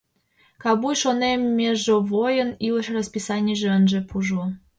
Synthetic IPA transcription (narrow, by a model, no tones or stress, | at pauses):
kɑbujʃonemːʲeʒovojəniləʃrəspisɑnʲiʒeənʒĕpuʒu